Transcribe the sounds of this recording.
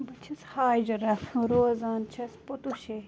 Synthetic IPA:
bɐt͡ʃʰishaːd͡ʒɐɾɐɾoːzaːnt͡ʃʰɐsput̪uʃe

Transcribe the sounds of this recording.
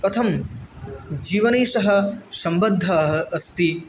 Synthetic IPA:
ɐt̪ʰɐm | d͡ʒiːʋɐneːʃɐɦɐsɐmbɐd̪ʱːɐɦɐ̆ʔɐst̪i

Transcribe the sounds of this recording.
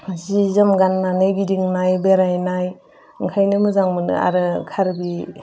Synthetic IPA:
zizɯmɡanːanɯjɡidiŋnajbeɾajnaj | ɯŋkʰajnɯmɯzaŋmɯnɯ̰a̰ɾɯkʰaɾbi

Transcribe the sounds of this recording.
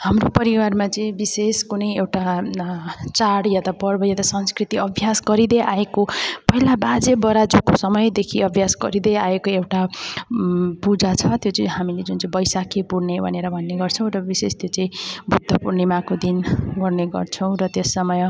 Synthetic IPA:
hamropʌɾiwarmat͡sʌĩbiseskunʌjewʈa | t͡saɽjat̪apʌrbʌjat̪asʌnskrit̪iʌbʱjasɡʌɾid̪ʌjʔaekopʌɦilabad͡zebʌɾad͡zukosʌmʌjd̪ekʰiʌbʱjasɡʌɾid̪ʌjaekoewʈa | pud͡zat͡sʰʌt̪jot͡sʌĩɦamiled͡zunt͡sbʌjsakepuɽnebʱʌ̰neɾʌbʱʌnːeɡʌrt͡sʰʌ̃w̃ɾʌbisest̪jot͡sʌĩbʱut̪ːʌpuɾnimakod̪inɡʌrneɡʌ̰rt͡sʰʌ̃w̃ɾʌt̪jesːʌmʌj

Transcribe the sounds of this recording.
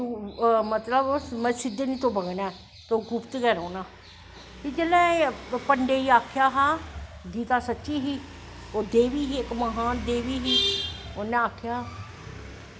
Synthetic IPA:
mət̪ləbomɛ̃ːsɪd̪enĩːt̪õːbəɡnɛː | t̪ooːɡʊpt̪ɡɛːɾoːnaː | pid͡ʒeːlɛ̃ːpəɳɖeːiːaːkʰɪjaːɦaːɡiːt̪aːsətːʃiːɦiː | oːd̪eːʋiːɦiːɪkməɦaːnd̪eːʋiːɦiːonːẽːaːkʰɪjaː

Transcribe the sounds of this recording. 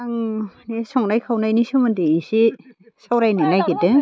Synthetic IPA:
aŋnesɔŋnajkʰawnajnisumɯndeisi | sawɾajninajɡedɯ

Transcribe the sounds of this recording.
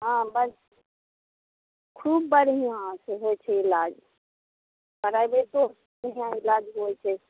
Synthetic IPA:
ɦãbəs | kʰuːbːəɾijãseɦot͡ʃʰɛilad͡ʒ | bəɾaibet̪o | bɾijãilad͡ʒɦoɛt͡ʃʰɛ

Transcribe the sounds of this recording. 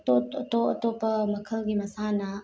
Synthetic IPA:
t̪oɐt̪oɐ̰t̪opɐmɐkʰəlɡimɐsanɐ

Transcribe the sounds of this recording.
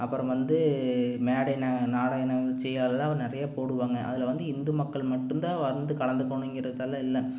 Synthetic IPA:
ʔɐpːɯɾɐ̃mʋɐnd̪ɯmeːɽɐnɐnaːɽɐnɐɐt͡ʃːɛjːaːlɐlãːʋɐɾnɪɾɐjaːpoːɽɯʋaːŋɡɐʔɐ̰ðɪlʋɐnd̪ɯɪnd̪ɯmɐkːɐɭmɐʈːɯnd̪ãːʋɐɾɯnd̪ɯkɐɭɐnd̪ɯkːɔɳʊŋɡɪɾɐðɯðɐlːɐɪlːɐ

